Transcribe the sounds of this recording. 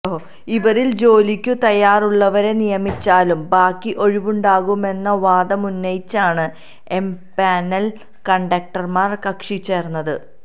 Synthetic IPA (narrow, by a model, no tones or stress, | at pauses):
iʋɐɾild͡ʑo̞ːlikʲːut̪ɐjaːruɭːɐʋɐɾe̞nijɐmit͡ɕːaːlumbaːkːiʔo̞ɻiʋuɳɖaːɣume̞nːɐʋaːd̪ɐmunːɐjit͡ɕːaːɳɨ | e̞mpaːnɐl | kɐɳɖɐk̚ʈɐrmaːrkɐkʂit͡ɕːe̞ːrnːɐðɨ